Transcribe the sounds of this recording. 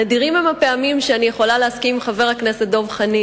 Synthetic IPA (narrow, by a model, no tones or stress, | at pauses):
ned̪iʁimemape̞amimʃeanijeχo̞laleaskimχave̞ʁhakneset̪̚d̪o̞vχani